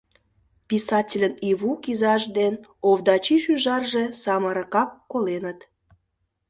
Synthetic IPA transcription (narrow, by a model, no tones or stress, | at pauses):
pisɑtʲelʲəniβukizɑʒd̪enoβd̪ɑt͡ɕiʃyʒɑrʒesɑməɾə̆kɑkːolenət̪